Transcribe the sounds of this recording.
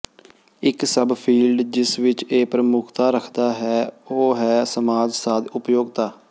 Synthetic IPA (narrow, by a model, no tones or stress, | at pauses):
ɪksəbpʰiːlɖd͡ʒɪsʋɪt͡ʃeːpɾəmʊkʰt̪aːɾəkʰd̪aːɦɛːoːɦɛːsəmaːd͡ʒsaːd̪ʊpjoːɡt̪aː